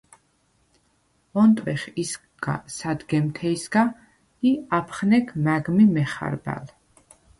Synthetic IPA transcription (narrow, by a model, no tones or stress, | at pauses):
ɔnt̪ʼwɛχis | ɡ̥a̰sad̪ɡɛmt̪ʰɛisɡa | iapʰχnɛkʰmaɡmimɛχa̰ɾba̰l